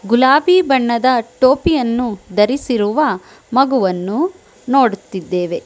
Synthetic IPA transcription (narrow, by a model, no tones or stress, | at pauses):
ɡulaːbiːbɐɳːɐd̪ɐʈoːpijɐnːud̪ɐɾisiɾuʋɐ | mɐɡuʋɐnːu | no̞ːɽut̪ːid̪ːe̞ːʋe̞